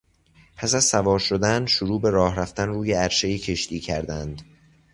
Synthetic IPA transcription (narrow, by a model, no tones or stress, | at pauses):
pʰæsæzsævɒːɾʃod̪ænʃoɾuːbe̞ɾɒːhɾæft̪ænruːjeæɾʃejecʰe̞ʃt̪ʰiːcʰæɾd̪ænd̪̥